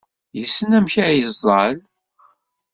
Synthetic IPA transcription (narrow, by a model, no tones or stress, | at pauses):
jəsːənæmçæjəzˤəl